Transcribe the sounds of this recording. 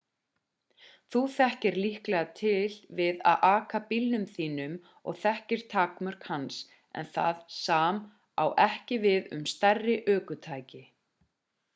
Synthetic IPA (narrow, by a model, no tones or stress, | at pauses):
θuθɛhcɪɾlihklɛɣat̪ʰɪlvɪða̰ðʔaːkapilnʏmθiːnʏm | ɔ̰ɣθɛhcɪɾ̥t̪ʰaːkmœɾ̥khans | ɛ̰nθa̰ðsaːm | a̰wʔɛhcɪvɪðʏ̰mst̪ɛrːɪʔœːkʏt̪ʰaːjcɪ